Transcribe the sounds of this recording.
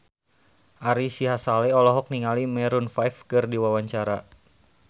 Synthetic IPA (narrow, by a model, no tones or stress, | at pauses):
ʔaɾisiɦasalɛɔlɔɦɔk̚niŋalimɛɾunfajfkɨrdiwawaɲt͡ʃaɾa